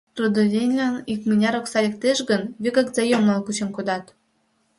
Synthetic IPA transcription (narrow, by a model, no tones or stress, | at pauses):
t̪ud̪ɤ̆zʲenʲlʲænikmʲinʲɑɾŏksɑlʲĕk̚t̪eʃɡə̆nβʲikɑkzɑjomlɑlkut͡ɕĕnkod̪ɑt̪